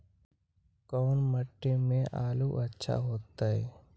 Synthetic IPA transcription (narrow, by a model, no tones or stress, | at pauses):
kɔːnməʈːemẽʔaːluʔətːʃʰa̰ɦoːt̪ːaɦɛː